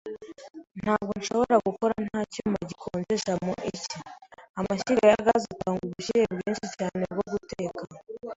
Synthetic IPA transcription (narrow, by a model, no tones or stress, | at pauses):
n̥haːb̚ɡo̞nʃo̞o̞βo̞ɾaɡuko̞ɾan̥haːcuːmaɟikʰoːnze̞ʃamoʔiciamaɕiɾaajaɡazitaːŋɡuβuɕiɾebɟiːnʃicaːne̞bɡo̞ɡuteːka